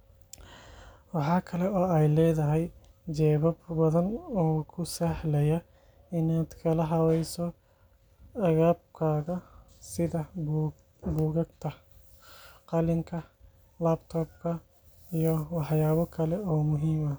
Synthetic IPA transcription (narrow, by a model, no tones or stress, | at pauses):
wɐħɑːkʰɐlɛɔːɐjlɛːd̪ɐɦɛj | d͡ʒɛːbɐbbɐðɐnɔːkʰʊsɐhlɐjɐ | ɪnaːd̪kʰɐlɐɦɐwɐjsɔ | ɐɣaːb̚kʰaːɣɐ | sɪðɐhb | buːɣɐɡt̪ʰɐ | qɐlɪŋkʰɐ | laːbt̪ʰɔːb̚kʰɐ | ijɔwɐħjaːβɐkʰɐlɛɔːmʊɦimɐ